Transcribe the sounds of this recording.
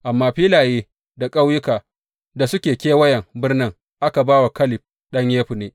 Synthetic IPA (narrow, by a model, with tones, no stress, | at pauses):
ʔa˨mːaː˦ɸiː˦laː˨jeː˦ | da˨kʼa˦wjʊ˦kaː˨ | da˨sʊ˦kʲeː˨kʲeː˦wɐ˦jɛ˨ŋbɪ˦rnɪ˦ŋ | ʔa˦ka˨baː˦wa˨kɐ˦lɪ˨ɸ̚ | ɗɐ˦ɲjeː˦ɸu˨neː˦